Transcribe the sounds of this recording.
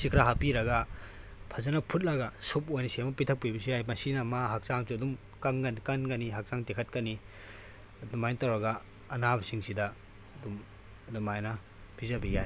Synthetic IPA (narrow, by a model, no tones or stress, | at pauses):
sikʰɾaɦapiɾɐɡɐ | pʰɐzɐnɐpʰut̚lɐɡɐsup̚ojnɐsemɐpitʰɐk̚pibisujajmɐsinɐmaɦak̚saŋsuɐdum | kɐŋɡɐnikɐnɡɐniɦak̚saŋtekʰɐt̚kɐni | ɐdumajnitawɾɐɡɐː | nabɐsiŋsidɐ | dum | ɐdumajnɐ | b̥ʰizɐbijaj